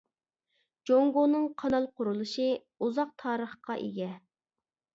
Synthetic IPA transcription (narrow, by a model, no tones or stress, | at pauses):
d͡ʒoŋɡonɨŋqʰɑnɑlˠqʰʊɾulˠuʃɨ | uzɑq̚t̪ʰɑːɾəχqɑʔḛɡʲɛ